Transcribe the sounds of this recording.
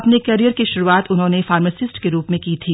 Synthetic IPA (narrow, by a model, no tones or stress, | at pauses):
ɐpnekɛɾijəɾkiʃʊɾuːaːt̪ʊnɦõnefaːɾməsɪsʈkeɾuːpmẽkiːt̪ʰiː